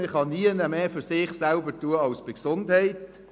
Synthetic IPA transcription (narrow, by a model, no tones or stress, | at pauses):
ɪχhɑniənəmeːfyɾsɪχsælbətuəɑlsb̥ɪksʊndhɛɪt